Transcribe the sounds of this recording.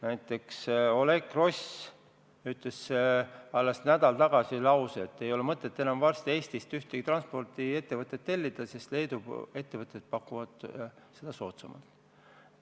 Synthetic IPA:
næjt̪ːˑe̞kso̞le̞ɡro̞s | yt̪ːˑle̞sːeɑlːesnæd̪ɑlt̪ɑɡ̥ɑsilɑwseet̪ːe̞jo̞lemɤt̪ːˑe̞t̪ːˑenɑmvɑrst̪ie̞ːst̪ist̪yht̪eɡ̥it̪rɑnspo̞rt̪ie̞t̪ːe̞vɤt̪ːˑet̪ːe̞lʲːid̪̥ɑsest̪le̞jd̪ue̞t̪ːe̞vɤt̪ːˑet̪̚pɑkːuvɑd̪̥ | se̞d̪̥ɑso̞̰ːt̪sɑmɑ̰lt̪ˑ

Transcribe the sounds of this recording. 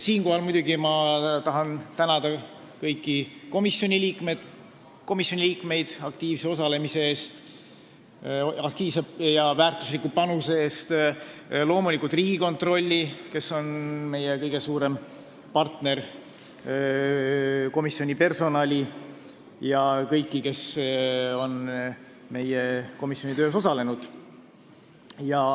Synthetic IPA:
siːnko̞ɦɑlmujd̪ʲuɡimɑt̪ɑɦɑnt̪ænɑd̪̥ɑ | kɤjkːˑiko̞misjo̞nʲiliːkme̞d̪̥ | ko̞misjo̞nʲiliːkme̞jd̪̥ɑk̚t̪iːvse̞o̞sɑle̞mise̞e̞ːst̪ | ɑkt̪iːvsejɑvæːrt̪ˑuslikupɑnuse̞eːst̪ | lo̞ːmulikːˑult̪riːɡ̥iko̞nt̪ro̞lʲːike̞so̞nme̞jekɤjɡe̞suːɾe̞m | pɑrt̪ne̞r | ko̞misːio̞nʲipe̞rso̞nɑlʲi | jɑkɤjkˑːike̞s | o̞n | me̞jeko̞misːo̞nʲit̪ø̞ːs̬o̞sɑle̞nud̪̥ | jɑ

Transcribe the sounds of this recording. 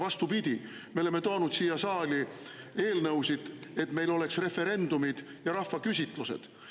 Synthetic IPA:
vɑst̪upid̪̥ʲi | me̞lemːe̞t̪oːnud̪̥siːjɑsɑːli | e̞ːlnɤwsid̪̥e̞t̪ːme̞jlo̞le̞ksre̞fe̞ɾe̞nd̪̥umid̪̥ | jɑɾɑhːɑkysʲit̪ˑluse̞̰d̪̥

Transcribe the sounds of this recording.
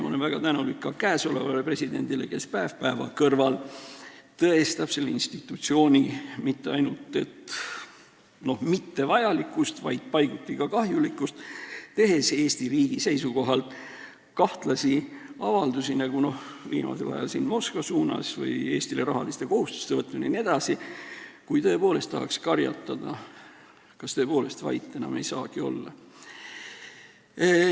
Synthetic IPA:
molevæɡ̥ɑt̪ænulikːɑkæːso̞levɑlepre̞sid̪e̞̰nd̪̥ilḛke̞spæevpæevɑ̰kɤrvɑl | t̪ɤest̪æpse̞lḭnst̪it̪ːˑut̪sio̞ːnʲimit̪ːe̞ɑjnult̪ːe̞t̪ | no̞hmit̪ːe̞vɑjɑlikːˑust̪vɑjd̪̥̚pɑjɡ̥ut̪ːˑikɑkɑɦjulikːˑust̪t̪e̞ɦe̞seːsʲt̪iriːɡ̥ise̞jsuko̞ɦɑlt̪ | kɑht̪lɑsi | ɑvɑld̪usinɑɡ̥uno̞h | vḭːmɑ̰selɑ̰jɑ̰lsiːnmo̞skvɑsuːnɑ̰svɯ̰je̞ːst̪ilerɑɦɑlist̪e̞ko̞ɦust̪u̥st̪e̞vɤt̪ːˑmuninie̞d̪̥ɑsikujt̪ɤ̞e̞po̞ːle̞st̪ɑhɑkskɑrjɑ̰t̪ːˑɑd̪̥ɑ | kɑst̪ɤ̞po̞ːle̞st̪vɑ̰jt̪ˑːe̞nɑ̰me̞̰jsɑ̰ːɡ̥io̞̰lːɑ̰

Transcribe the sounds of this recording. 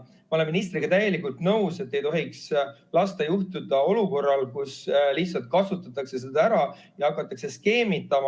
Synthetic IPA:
mɑo̞le̞mːinist̪ɾiɡ̥ɑt̪æje̞likːult̪nɤwse̞t̪ːe̞jt̪o̞ɦikslɑst̪ɑjuht̪ud̪̥ɑo̞luko̞rːɑlkuslihtsɑlt̪̚kɑsut̪ːˑɑt̪ːˑɑkse̞sed̪̥ɑæɾɑ | jɑhɑkːˑɑt̪ːˑɑkse̞ske̞ːmit̪ːˑɑmɑ

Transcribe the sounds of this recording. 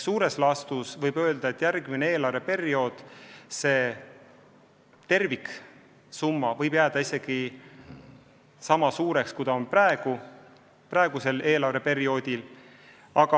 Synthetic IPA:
suːɾe̞slɑst̪usvɤjbø̞ːld̪̥ɑe̞t̪ːˑjærɡminee̞ːlɑɾe̞pe̞ɾio̞ːd̪̥se̞ː | t̪e̞rvik | sumːɑvɤjbjæːd̪̥ɑise̞ɡ̥i | sɑmɑsuːɾe̞kskujd̪̥ɑonprɑeɡ̥u | prɑeɡ̥use̞le̞ːlɑrve̞pe̞ɾio̞ːd̪ʲil | ɑɡ̥ɑ

